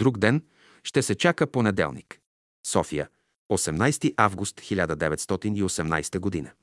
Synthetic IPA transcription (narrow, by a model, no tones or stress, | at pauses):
d̪ɾuɡd̪ɛn | ʃt̪ɛsɛt͡ʃakəponɛd̪ɛ̰lˠnḭk | sɔfijə̰ | osɛmnajst̪iʔavɡust̪xilʲad̪əd̪ɛvɛt̪st̪ɔt̪iniosɛmna̰jst̪əɡod̪inə